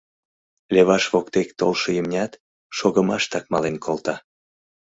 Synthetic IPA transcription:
lʲeβɑʃβokt̪ekt̪o̰lʃəjymnʲɑt̪ | ʃoɣəmɑʃt̪ɑk̚mɑlenkʰolt̪ɑ

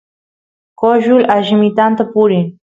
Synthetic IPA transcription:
koʒʊlaʒɪmɪt̪ant̪apʊɾɪŋ

